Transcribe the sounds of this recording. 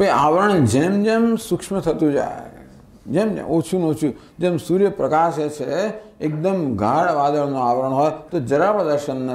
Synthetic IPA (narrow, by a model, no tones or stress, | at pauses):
pɐaːʋəɾɐɳ̃d͡ʒeːmd͡ʒemsukʂmɐt̪ʰɐt̪ud͡ʒa̰ː | d͡ʒemd͡ʒḛʔoːt͡ʃʰunoːt͡ʃʰu | d͡ʒemsuːɾjɐpɾɐkaːʃet͡ʃʰe | ek̚d̪ɐmɡʱaːɽʋaːd̪ɐɭnoaːʋɐɾəɳ̃ɦɔːjet̪od͡ʒɐɾaːpɐd̪ɐɾʃɐnːɐ